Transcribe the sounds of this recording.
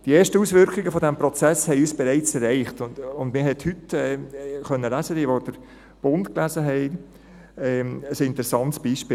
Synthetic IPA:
d̥ieːʃtəuːsʋʏɾkχɪɡəfɔdæmpɾɔt͡sæshɛɪyːsb̥ɛɾɛɪt͡sɛɾɛɪχtʊnʊndmɪɾɦɛthʏtɛχœnːəlæːzədiʋod̥əɾ | b̥ʊntklæzəɦɛɪ | ɛəsɪntəɾɛsɑntsb̥iːʃpiː

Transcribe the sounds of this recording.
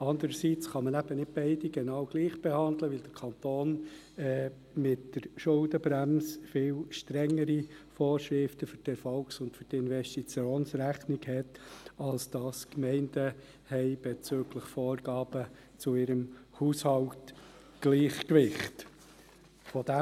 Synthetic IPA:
ɑnd̪əɾəsiːt͡sχɑmənæb̥ənɪt̚b̥ɛɪd̥iɡ̥ɛnɑwɡ̥liːχb̥ɛhɑndləʋɪld̥̪əɾkʰɑnt̪oːn | ɛ | mɪtd̥əɾʃʊldəbɾæmsfɪːlʃtɾɛŋːəɾifoːɾʃɾɪftəfʏtɛɾfɔlksʊntfʏɾdɪnvɛstit͡sjoːnsɾæχnɪɡhɛtɑlsd̥ɑskmɛɪnd̥ə | hɛɪb̥ɛt͡søːɡləχfoːɾɡ̥ɑːb̥ə | t͡sʊɪɾəmhuːshɑlt | ɡ̥liːχkʋɪχt | fɔd̥æ

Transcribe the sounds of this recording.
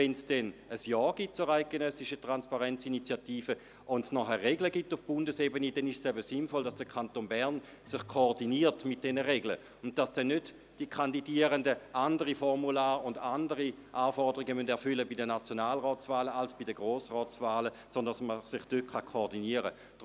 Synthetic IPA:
ɛnsd̥ɛnəsjɔːɡ̥it̚t͡sʊʁaɪk̚ɡ̥enœsɪʃətʁanspaʁɛnt͡sinit͡sjatiːfə | ʔʊntsnɔχɛʁːeɡləɡitʊfb̥ʊndəsebənidɛnɪʃsɛbəsinfɔldasd̥əkʰantonbɛɐn | sɪχkʰoːdiniːɐtmɪt̚d̥ɛnəʁeɡlə | ʊnt̚d̥asd̥ɛnːøt | d̥ikʰandidiːəʁəndəʔandəʁifɔʁmulaːʁʊndandəʁi | ʔaːfɔʁdəʁiɡəmœndɛɐfʏləbidənat͡sjonaːlʁɔːt͡svaːləalsb̥idəɡʁoːsʁɔːt͡svaːlə | sɔndsməsɪχd̥øt̚kʰχakʰoːʁdiniəʁə | d̥

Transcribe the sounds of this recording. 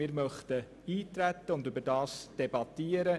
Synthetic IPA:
ɪːɾmœχt̪ə | iːt̪ɾæt̪ːəʊndybəɾdɑːsd̥ɛbɑt̪ːiəɾə

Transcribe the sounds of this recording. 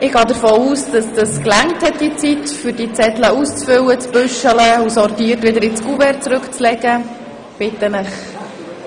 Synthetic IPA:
ɪɡɑːd̪əɾfoːuːsd̥ɑsd̥ɑsklæŋthɛt̚d̥iət͡sitfʏɾdit͡sɛtləust͡sfʏwət͡sb̥ʏʃələusɔrtiːəɾtʋɪd̪əɾɪt͡skuvɛɾt͡sɾɵkt͡slɛɡə | b̥ɪtənɪχ

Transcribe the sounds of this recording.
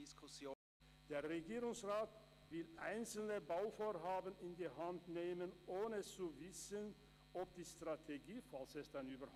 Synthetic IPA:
skʰʊsjoː | d̥eːɐʁeɡiːʁʊŋsʁaːt | vɪlʔa̰ɪnt͡sl̩nəbaʊfoːɐɦaːbənɪndiːɦantneːmənʔoːnət͡suvɪsən | ʔɔp̚d̥iːstʁ̥atʰeɡiːfalsɛstaɪnyːbɐ

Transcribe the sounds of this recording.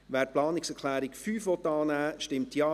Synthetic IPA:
ʋɛːɾplɑːnɪksɛkʰlæːɾɪkfyːfʋɔt̪ːɑːnæːʃtɪmtjɑː

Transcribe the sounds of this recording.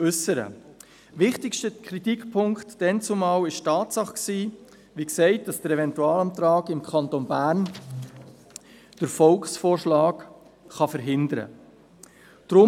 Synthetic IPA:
ʉsəɾə̰ | ʋɪχtɪkʃtəkʰχɾitikpʰʊŋktd̥ɛnt͡sʊmɑːwɪʃtɑːtsɑχksiː | ʋiksɛɪt̚d̥ɑsd̥əɾɛvɛntuɑːlɑmt̪ɾɑːɡɪmkʰχɑntonbæːɾn | d̥əɾfɔlksfoːɾʃlɑːk | χɑfəɾɦɪndəɾə̰ | d̥ɾʊ

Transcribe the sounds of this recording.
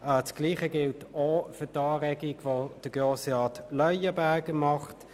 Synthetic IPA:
ət͡sɡ̥liːχəɡɪltofʏɐtɑːʁɛɡiɡʋod̥əɡ̥oːsəɑːtlœʏəbæɐɡəmɑχt

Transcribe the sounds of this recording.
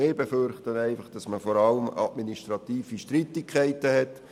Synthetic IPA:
eːbefʏɾχtənæɪfɑχd̥ɑsməfɔɾɑləmɑ̰tminiʃtɾɑt̪iːfiʃtɾitːɪkʰɛɪtəhɛt

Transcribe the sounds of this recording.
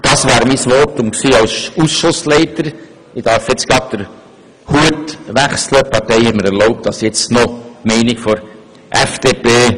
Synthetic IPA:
d̥ɑsʋaːɾmisʋɔtʊmksiːɑwsusʃʊslɛɪtəɾ | ɪd̥æɾfjɛt͡sɡɾɑt̚d̥əɾ | huətʋæχsləpʰɑɾtɛɪhɛtməɾɛɾloʊp̚t̚d̥ɑsjɛt͡snɔmɛɪnɪkfɔɾ | ʔɛfd̥epeː

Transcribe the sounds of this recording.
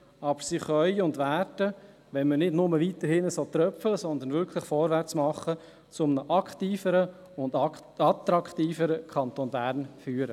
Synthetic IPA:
ɑb̥əɾsiχœʏʊndʋæɾdə | ʋɛnmənɪdnʊməʋit̪əɾhɪnəsot̪ɾœfələsɔnd̪ənvʏɾkʰlɪχfɔɾvæɾt͡smɑχə | t͡sʊmnəʔɑkχtiːfəɾə | ʊnd | ɑt̪ɾɑkt̪iːfəɾəkʰχɑnt̪oːnbæːɾnfyːəɾə

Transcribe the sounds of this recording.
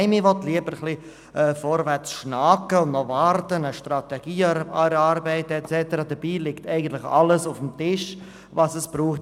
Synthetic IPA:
ɪmivɔtliəbəɾχli | ʔɛfɔɾvɛt͡sʃnakəʊnnɔvɑɾtənəʃtrɑtɛɡ̥iːɾɑɾbɛɪtəɛt͡sɛtəɾɑdəb̥iːlɪktɛɪɡən̩tlɪχɑ̰ləsʊfm̩tɪʃ | vɑsəsb̥ɾuːχt

